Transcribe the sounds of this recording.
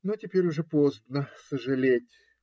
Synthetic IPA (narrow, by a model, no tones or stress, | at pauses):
notʲɪpʲeɾʲʊʐɛpozbnəsəʐɨlʲetʲ